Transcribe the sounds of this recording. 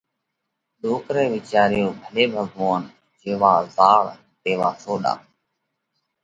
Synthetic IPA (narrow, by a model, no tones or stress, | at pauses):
ɗoːkɾɛːʋɪt͡ʃaːɾɪjoːbʱəleːbʱəɡʋoːn | d͡ʒeːʋaːzaːɾ | t̪eːʋaːsoːɗa̰ː